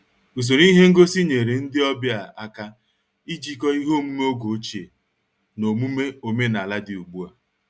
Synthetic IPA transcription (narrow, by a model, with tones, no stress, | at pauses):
u˨s̬o˨ɾi˦ɦe˦ŋ̩˦ɡo˦si˦ɲe˨ɾe˨n̩˦dɪ˦ɔ˦bja˨a˦ka˦ | i˦d͡ʒi˦kɔ˦i˦ɦo˦mu˦me˦o˦ɡo˨˦t͡ʃe˨ | no˨mu˦me˦o˨me˦na˨la˦dɪ˨u˨ɡ͡bu˦a˨